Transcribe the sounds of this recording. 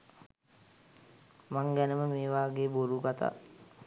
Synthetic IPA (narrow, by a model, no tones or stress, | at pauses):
maŋɡænəməmeːʋaːɡeːboɾuɡat̪a̰